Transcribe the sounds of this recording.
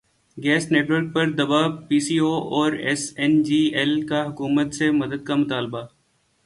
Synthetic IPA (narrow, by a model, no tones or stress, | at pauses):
ɡɛːsneːʈwəɾk̚pɐɾd̪ɐbaːpiːsiːoːʔɔːɾɛ̰sɛnd͡ʒiːɛlkaɦʊkuːmət̪semɐd̪əd̪̚kamʊt̪aːlba